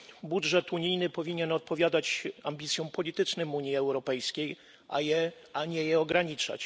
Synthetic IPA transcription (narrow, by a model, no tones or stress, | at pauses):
budʐɛt̪uɲijnɘpɔvʲiɲɛnɔt̪̚pɔvʲjad̪at͡ɕambʲit̪sʲjɔ̃w̃pɔlʲit̪ɘt͡ʂnɘmuɲjiɛwɾɔpɛjskʲej | ʔa̰jɛ | aɲɛjɛɔɡɾaɲit͡ʂa̰t͡ɕ